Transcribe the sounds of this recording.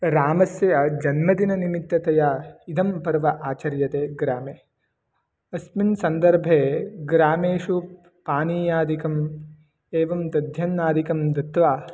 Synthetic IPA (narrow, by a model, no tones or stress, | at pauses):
ɾaːmɐsjɐjɐd͡ʒɐnmɐd̪inɐnimit̪ːɐt̪ɐjaid̪ʱɐmpɐɾʋɐʔaːt͡ʃɐɾjɐt̪eːɡɾaːmeː | ɐsminsɐnd̪ɐɾbʱeːɡɾaːmeːʃu | paːniːjaːd̪ikɐm | eːʋɐmt̪ɐd̪ʱjɐnːaːd̪ikɐmd̪ɐt̪ʋaː